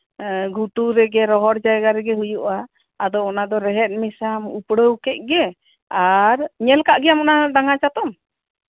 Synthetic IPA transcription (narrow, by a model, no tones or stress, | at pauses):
ɡʱuʈuɾɛɡɛɾɔɦɔɾd͡ʒajɡaɾɛɡɛɦujuʔaː | d̪ɔɔnad̪ɔɾɛɦɛt̪̚ˀmisamupɽəwkɛc̚ˀɡɛ | aɾɲɛlkaʔɡɛjamɔnadaŋat͡ʃat̪ɔm